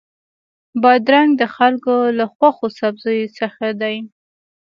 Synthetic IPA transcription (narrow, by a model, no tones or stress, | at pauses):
bɑd̪ɾaŋɡ̚d̪əxalkolaxwaxosabzɑjsəxad̪aj